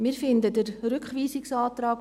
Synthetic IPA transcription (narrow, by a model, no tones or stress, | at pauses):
mɪːfɪndədəɾɾʏkχʋiːsɪksɑːt̪rɑːk